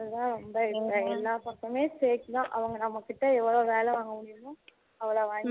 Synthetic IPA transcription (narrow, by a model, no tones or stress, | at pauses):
ðt̪ãːɾɔmbɐɛkːɐɛlːaːpɐkːɐmeːseːkːnãːʔɐʋɐŋɡɐnɐmːɐkɪʈːɐɛʋːɐɭoːʋeːlɛʋaːŋɡɐmʊɽɪɾnʊ̃ | ɐʋːɐɭoːʋaːŋ